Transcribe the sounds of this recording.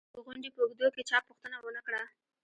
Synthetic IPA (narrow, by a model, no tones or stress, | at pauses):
d̪əɣʊɳɖepəuɡd̪oket͡ʃɑpuxt̪ənawənakɽa